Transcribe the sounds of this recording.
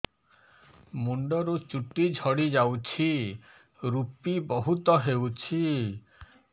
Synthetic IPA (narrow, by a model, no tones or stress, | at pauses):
muɳɖɔɾut͡ʃuʈid͡ʒʱɔɽid͡ʒawt͡ʃʰi | ɾupibɔɦut̪ɔɦewt͡ʃʰi